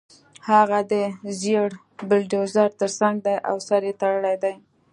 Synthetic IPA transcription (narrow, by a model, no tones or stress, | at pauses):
haɣad̪əzeɽ | bɪlɖozɑɾt̪əɾsaŋɡ̚d̪ajʔa̰wsaɾjet̪aɽəlajd̪aj